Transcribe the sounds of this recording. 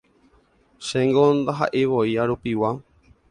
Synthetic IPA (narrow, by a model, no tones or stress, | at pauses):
ʃẽŋɡond̪aɦa̰ʔeʋoiaɾupiwa